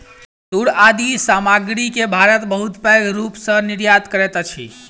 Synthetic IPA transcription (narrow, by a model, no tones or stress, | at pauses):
d̪uɽad̪isamaɡɾikebʱaɾət̪bəɦut̪pəɡɾupsə̃niɾjad̪kəɾɛt̪t͡ʃʰḭ